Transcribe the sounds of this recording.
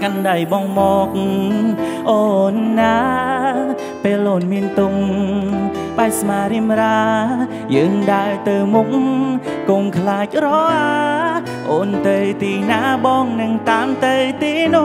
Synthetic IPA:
kanɗajɓɑːŋmɔːk̚ŋ | ʔoːnːaː | peːlʔoːnmiənt̪ʊŋ | ɓaɛsmaːɾiəmraː | jəːŋɗaɛlt̪ɨwmuk̚ŋkoːŋkʰlaːc̚rɔʔa | ʔoːnt̪ɨjt̪iːnaːɓɑːŋnɨŋt̪aːmt̪ɨwt̪iːnʊ

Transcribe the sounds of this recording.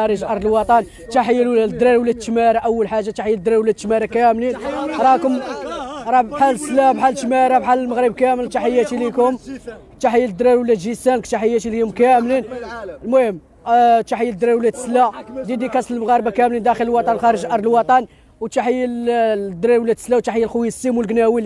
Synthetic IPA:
æɾəʒʔɑɾˤdəlwɑt̪ˤɑn | t̪aħəjːwd̪ɾæɾwlæd̪̚t̪ːmæɾaʔəwːəlħaʒːat̪aħjld̪ɾæɾwlæd̪̚t̪mæɾækæmlinɾˤɑkʊm | ɾˤɑbħalslæbħalt̪mæɾæbħaləlməɣɾəb̚kæməlt̪aħəjːæt̪ilikʊm | t̪aħəjːild̪ɾæɾwəlːæd̪ʒisænkt̪aħəjːæt̪iliʊmkæmlinlmʊhəm | t̪aħəjːæld̪ɾæɾwəlæt̪slæd̪id̪ikɑsˤəlməɣɑɾˤbakæmlind̪æxələlwɑt̪ˤɑnlxɑɾəʒʔɑɾˤd̪lwɑt̪ˤɑn | wt̪aħəjː | d̪ɾɑɾwlːæd̪slæwt̪aħəjːælxuəsːimwəlɡnæwi

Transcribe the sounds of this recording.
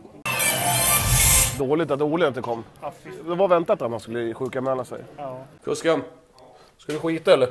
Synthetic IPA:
d̪oːlɪt̪at̪uːɭɪɛt̪ɛkʰɔmːd̪ɛvavɛnt̪at̪at̪mhanskɵlːəɧʉ̟ːkanmɛːlːasɛ̰jfɵskan | skald̪ɵɧiːt̪aɛlːəɾ

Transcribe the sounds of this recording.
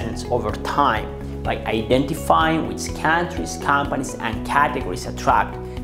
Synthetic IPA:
ɛ̃nsovəɹt̪ʰãj̃m | bajʔajdɛ̃ntifajĩŋwḭt͡ʃkʰãntʰɹiskʰãmpanisã̰nkʰæteɡoɹisatʰɹæ̰k̚t

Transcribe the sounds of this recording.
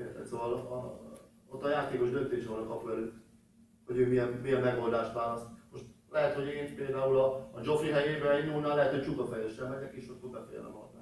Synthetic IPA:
ert̪ɛ̰t̪soːvɒl | ot̪ːɒjaːt̪eːko̞ʒd̪ø̞nt̪eːʃɦoːnɒkɒpvɛlyt | ho̞ɟøːmijɛnmijɛmːɛɡo̞ld̪aːʃt̪ʋaːlɒst̪mo̞ʃt̪lɛɦɛt̪ho̞ɟeːnpeːld̪aːulɒːd͡ʒo̞friɦɛjeːbɛɛɟnuːlnaːlːɛɦɛt̪ho̞ct͡ʃukɒfɛjɛʃːɛlmɛɲɛkeːʃok̪kobɛfɛ̰jɛ̰lɒ̰mɒ̰t̪a̰ː

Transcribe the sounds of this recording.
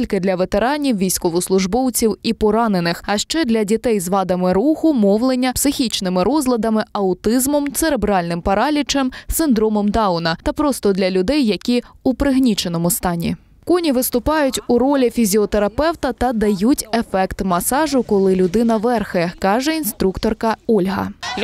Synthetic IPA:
lʲkɪd̪lʲɐʋet̪e̞ɾɑnʲiwʋʲijsʲkɔʋɔslˠʊʒbɔwt͡sʲiwipɔɾɑne̞nɪxɐʃt͡ʃɛd̪lʲɐdʲit̪ɛjzʋɑd̪ɐmɪɾuxʊmɔʋlˠenʲːɐpsɪxʲit͡ʃnɪmɪɾɔzlˠɐd̪ɐmɪɐʊt̪ɪzmɔmt̪seɾebɾɑlʲnɪmpɐɾɑlʲit͡ʃɛmsɪnd̪ɾɔmɔmd̪ɑʊnɐt̪ɐpɾɔst̪ɔd̪lʲɐlʲʊd̪ɛjːɐkʲiupɾɪɦnʲit͡ʃen̪ɔmʊst̪ɑnʲḭ | kɔnʲiʋɪst̪ʊpɑjʊtʲʊɾɔlʲifʲizʲiɔt̪eɾɐpɛwt̪ɐt̪ɐd̪ɐjutʲefɛkt̪mɐsɑʒʊkɔlˠɪlʲʊd̪ɪnɐʋɛrxɛkɑʒɛinst̪ɾukt̪ɔrkɐɔlʲɦɐ̰

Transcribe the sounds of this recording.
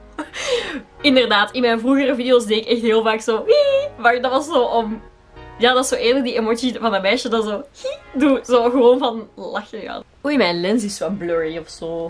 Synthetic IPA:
ɪndərdaːtɪnmɛjnvruɣərəvideoːsdeːɪkɛxtɦeːlˠvaːksoːimardɑtʋɑsːoːʔɔm | jaːdʋɑsoːʔɪːrlək̚diʔemoːtsivɑndɑtmɛːʃjədɑzoːhiduzoːɣəʋoːnvɑnlɑxəɑ̰ | oːjmɛjnlɛns̬ɪslbløːɹiɔfsoː

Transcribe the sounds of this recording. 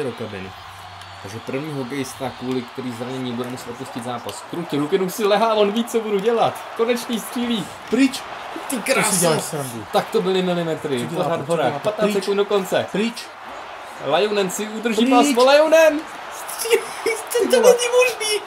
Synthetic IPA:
ɛɾokabɪ̰nɪ̰ | t̪aɡʒɛpr̩vɲiːɦokɛjɪst̪akuːlɪkt̪ɛɾiːzaɲɛɲibudɛmusɛ̥t̪opuscɪt̪zaːpask̪ɾucɛɾukɪnuːsɪlɛɦaːlonviːt͡sobuduɟɛlat̪ | konɛt͡ʃɲist̪r̥iːliː | pɾɪt͡ʃ | t̪ikɾaalsadut̪akt̪obɪlɪmɪlɪmɛt̪ɾɪoɾad̪ɦoɾaːpat̪naːsɛkund̪doko̞nt͡sɛpɾit͡ʃ | lajonɛmsɪʔud̪r̩ʒiːmaspolajonɛm | st̪r̥iːl | t̪ɛt̪oɛɲɛmoʒniː

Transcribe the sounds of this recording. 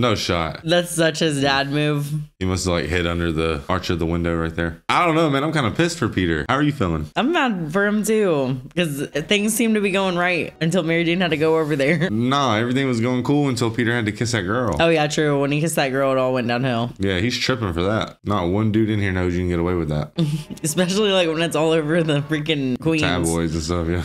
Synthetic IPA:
noʊʃɑ̰t̚ðætsʌt͡ʃɨzdæd̚mʉv̥himʌslaɪkhɪɾʌ̃ndə˞ðəɑɹt͡ʃʌvðəwɪ̃ndoʊɹaɪt̪̚ðə˞aɪɾõʊ̃nːoʊmæ̃ñãmkʰãɪ̃ndəpʰɪstfə˞pʰiɾə̰˞haʊə˞jɨfilˠɪ̰̃ŋãɪ̃mædfə˞ɨ̃mtʉkʌzθɪ̃ŋz̥sĩmtɨbiɡoʊɪ̃ŋɹaɪt̚ɨ̃ntɪlˠmɛɹidɪ̃nɨd̚tɨɡoʊoʊvə˞ðə˞noʊɛvɹiθɪ̃ŋwʌzɡoʊɪ̃ŋkʰulˠə̃ntʰɪlˠpʰiɾə˞hɨd̚tɨkʰɪsðɨt̚ɡ̥ɜ˞lˠoʊjætʰɹ̥ʉwə̃nikɪsðɨt̚ɡ̥ɜ˞lˠəɾɔlˠwɛ̃nd̥ãʊ̃nhɪlˠjæhiz̥tʰɹ̥ɪpɪ̃ŋfə˞ðæt̚ | nət̚wʌ̃ndʉɾɪdⁿn̩hiɹnoʊdɨdn̩ɡɛɾəweɪwɨðæ̰t̚ɨspɛʃl̩ˠilaɪkwə̃nɨtsɔlˠoʊvə˞ðəfɹɪ̃kɨ̃nkʰw̥ĩnæ̰bɔɪz̃nstʌfjæ

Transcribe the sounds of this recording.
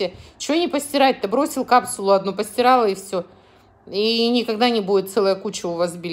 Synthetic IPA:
ɪt͡ɕɪvonʲɪpəsʲtʲɪɾaɪt̪̚t̪ːɨbɾo̞sʲɪlˠkapsʊlˠʊɐd̪nupəsʲtʲɪɾalˠəɪfsʲo | inʲɪkɐɡd̪anʲɪbudʲɪt̪t̪sɛlˠəjəkut͡ɕɪʊvazbʲɪ

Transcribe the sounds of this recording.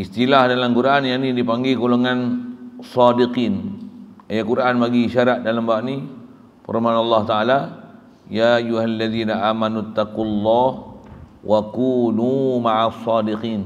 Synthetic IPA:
ʔist̪ilahdalamkuɾaʔanjaʔnidipaŋɡikoloŋansɑdiqiːn | ajakuɾaʔanpaɡiʃaɾaʔ̪̚dalambawaʔni | pə̰rmanɑlːɑht̪aʔala | jaʔajuɦalːaðiːnaʔaːmanut̪ːaqulːɑhwʔakuːnumaʕasˤːɑdiqiːn

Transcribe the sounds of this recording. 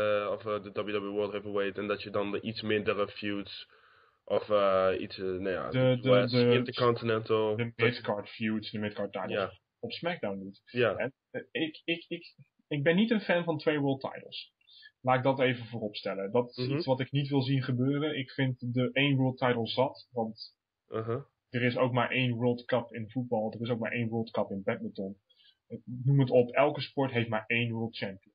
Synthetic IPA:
ɔfdədɔblˠdɔblˠwɜlˠtevəwejtɛndɔtjədɔndəʔitsmɪndəɾəfjuts | ʔɔfəḭtsnaja̰dədədəəkɔ̃ntinɛntəlˠdəɪtkɑɹtfjutsdəmɪt̚kɑɹtːajtl̩a | ɔpsmɛk̚dawnːitjaɛn | ɪkɪkɪk | ɪɡ̚bɛnːitənfɛnvɑntʋejʋɜːɹlˠt̚ʰa̰jtl̩ˠs | laːɪɡ̚dɑtejvəvoːrɔpstɛlədɑtɪsisʋɑtɪknitʋɪlˠzinχəbøːrənʔɪkfɪntdəʔejnʋɜːlˠt̚tajtl̩ˠzɑtʋɑnt | d̥ərɪsowkmaːɹʔejnʋɜːlˠdkəpɪnvud̚bɑlˠdərɪs̬owk̚ma̰ːɹʔejnʋɜːlˠdkəpɪnbɛt̚mətɔn | numətɔpɛlˠkəspɔɹtɦejftmaːɹejnʋɜːlˠt̚t͡ʃɛmpijən

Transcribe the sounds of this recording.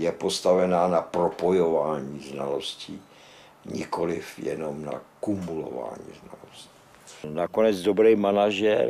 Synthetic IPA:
jɛpost̪avɛnaːnapɾopojovaːɲiːzna̰losci | ɲɪkolɪfjɛ̰nomna̰kumulo̰va̰ːɲḭːzna̰losci̥ | nakonɛd͡zdobɾɛjmanaʒɛɾ

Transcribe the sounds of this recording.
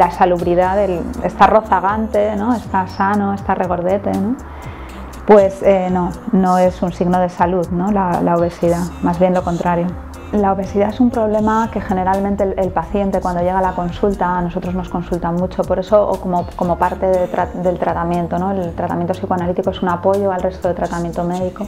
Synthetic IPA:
lasaluβɾiðaðelest̪aro̞θaɣ̞ant̪e̞no̞e̞st̪asanoe̞st̪are̞ɣ̞o̞ɾð̞e̞t̪e̞no̞ | pwe̞seno̞no̞e̞sunsiɣno̞ð̞e̞saluðno̞lalaoβ̞e̞siðamazβje̞nlo̞ko̞nt̪ɾaɾjo̞ | laoβe̞siðaesumpɾo̞β̞le̞make̞xe̞ne̞ɾalmẽnt̪e̞elpaθje̞nt̪e̞kwand̪o̞ʝe̞ɣ̞alako̞nsult̪aːno̞so̞t̪ɾo̞zno̞sko̞nsult̪amut͡ʃo̞po̞ɾe̞so̞ʔo̰komoko̞mo̞paɾt̪e̞ðet̪ɾad̪elt̪ɾat̪amje̞nt̪o̞no̞elt̪ɾat̪amjent̪o̞sikoanalit̪ikoe̞sunapo̞ʝo̞alrest̪oet̪ɾat̪amje̞nt̪o̞me̞ðiko̞

